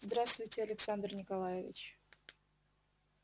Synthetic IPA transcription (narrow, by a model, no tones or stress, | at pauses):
zd̪ɾast̪vʊjtʲɪɐlʲɪksand̪rnʲɪkɐlˠajɪvʲɪ̰t͡ɕ